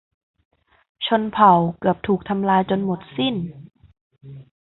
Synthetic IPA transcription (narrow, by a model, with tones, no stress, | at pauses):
t͡ɕʰo˧npʰa˨˦wkɯ˨˩əp̚t̪ʰuː˨˩k̚t̪ʰa˧mlaː˧jt͡ɕo˧nmo˨˩t̪̚si˥˩n